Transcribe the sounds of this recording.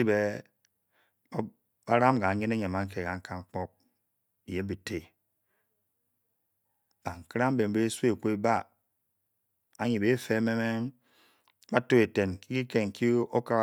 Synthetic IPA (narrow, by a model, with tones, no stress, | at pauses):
i˦be˦ | ba˦ɾa˦m˦ɡa˨ɲe˦ne˦ɲe˨ma˨˦ŋ̩˦ke˨ka˨ŋ̩˦ka˦ŋŋ͡m̩˦k͡pɔ˦k̚ | i˨je˦m˦bi˨te˨ | b̥a˨ŋ̩˨kɾa˦m̩˦be˨m̩˨be˦sʷkʷe˦e˦ba˦ | a˨ɲi˨be˦fe˦me˦me˦ | ba˦to˦e˨te˨nki˦ki˦ke˨ŋ̩˨kʰi˦o˦ka˦˨